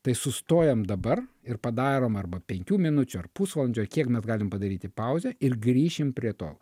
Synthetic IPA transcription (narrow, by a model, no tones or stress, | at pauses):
t̪ɐɪsʊst̪oːjɛmd̪ɐbɐr | ɪrpɐd̪ɑːɾoːmɐrbɐpʲɛŋʲkʲuːmʲɪnʊt͡ʃʲʊɐrpusʋɐːlˠɐnʲd͡ʒʲʊɐrkʲiɛkmʲɛsɡɑːlʲɪmpɐd̪ɐɾʲiːt̪ʲɪpɐʊzʲɛɪrɡɾʲiːʃʲɪmpʲɾʲiɛt̪o̰ː